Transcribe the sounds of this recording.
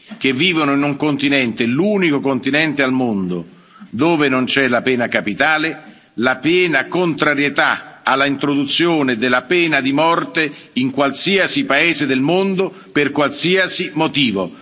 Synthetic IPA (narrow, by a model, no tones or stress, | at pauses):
k̟evːiːvonoinuŋkont̪inɛnt̪eluːnikokont̪inɛnt̪ealmond̪o | d̪oːvenont͡ʃɛlapɛːnakapit̪aːle | lapjɛːnakont̪ɾaɾjet̪aalːaint̪ɾod̪ut̪sːjoːned̪elːapɛːnad̪imɔrt̪e | iŋkwalsiasipaeːzed̪elmond̪o | perkwalsiasimot̪iːvo̰